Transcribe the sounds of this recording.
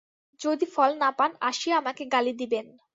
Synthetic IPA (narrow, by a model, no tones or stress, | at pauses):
d͡ʑod̪ifɔlnapana̰ʃieamakeɡalid̪iben